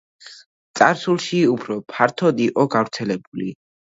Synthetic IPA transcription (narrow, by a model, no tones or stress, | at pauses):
t̪sʼaɾsulˠʃiupʰɾɔpʰaɾt̪ʰɔd̪iqʼɔɡavɾt̪sʰɛlɛbuli